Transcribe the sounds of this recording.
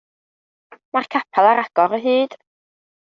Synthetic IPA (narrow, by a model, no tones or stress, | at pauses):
markʰapʰalˠaɾaɡ̥ɔɾəɦɨːd̥